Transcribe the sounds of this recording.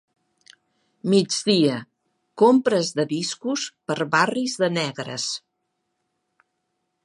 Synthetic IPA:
mid͡ʒdiə | kompɾəzðəðiskuspəɾβarizðənɛɣɾə̰s

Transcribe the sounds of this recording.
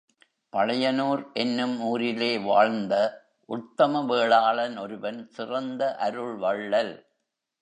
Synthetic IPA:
pɐɭɐjɐnoːɾʔɛnːɯmuːɾɪleːʋaːɻnd̪ɐ | ʔʊt̪ːɐmɐʋeːɭaːɭɐnɔɾɯbɐnsɪrɐnd̪ɐʔɐɾɯɭʋɐɭːɐl

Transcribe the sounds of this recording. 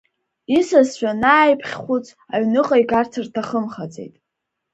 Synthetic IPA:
isasʃʷᶣanaːjpʰχʲχʷut͡sʰʼ | aɥnɨqʼajɡart͡sʰɨrtʰaχəmχat͡sʼḛjtʼ

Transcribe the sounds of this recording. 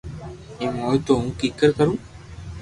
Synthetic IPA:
imoːjt̪oũkikːəɾkɐɾũ

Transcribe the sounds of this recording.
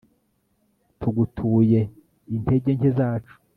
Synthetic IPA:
tʰuɡutʰuje̞ | inte̞ɟeɲhezaːt͡ʃu̥

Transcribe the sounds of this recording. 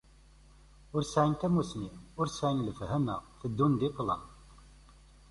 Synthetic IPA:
ʊɾsʕint̪æmusniʊɾsʕinləfhæmæ̰θəd̪ːund̪iqːlə̰n

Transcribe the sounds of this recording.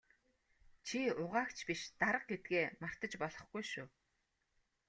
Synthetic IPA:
t͡ɕʰiʊʁaːkt͡ɕʰpiʃt̪aɾə̆q̚ɡet̪̚ɡeːmar̥t̪ə̆t͡ɕpɔɮɞ̆χɡujʃuː

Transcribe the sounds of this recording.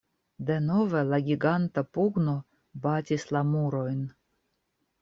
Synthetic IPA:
d̪eno̞velaɡʲiɡant̪apuɡno̞ | batʲislamuɾo̞jn

